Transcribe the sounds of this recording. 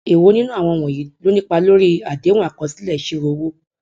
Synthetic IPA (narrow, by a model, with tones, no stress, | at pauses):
e˨wo˦nĩ˦nũ˦a˦˨w̃ɔ̃˧w̃ɔ̃˨ji˨˦lo˦nĩ˦k͡pa˧lo˦ɾi˦a˨de˨˦w̃ɔ̃˦a˦˨kɔ˨˦si̥˦lɛ˦˨˦ʃe˧ɾo˧˦wo˦